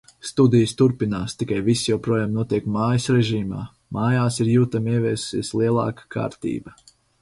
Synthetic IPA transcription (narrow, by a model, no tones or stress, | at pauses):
st̪ud̪ijəst̪uɾpinaːst̪ikajvisjawpɾuɔjaːmnuɔt̪iɛkmaːjəsɾɛʒiːma̰ː | maːjaːsiɾjuːt̪amiɛvʲiːssiɛsliɛlˠa̰ːkḁkʰa̰ːɾt̪ḭːbɐ